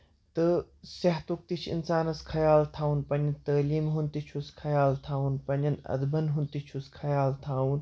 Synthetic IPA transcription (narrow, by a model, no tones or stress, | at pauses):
t̪ɨ | sɐɦt̪uk̚t̪it͡ʃʰḭnsaːnɐskʰɐjaːlt̪ʰaːunpɐnɐnt̪ɐːliːmɦunt̪it͡ʃʰuskʰɐjaːlt̪ʰaːunpɐnɐnɐ̰d̪bɐnɦunt̪it͡ʃʰuskʰɐjaːlt̪ʰaːun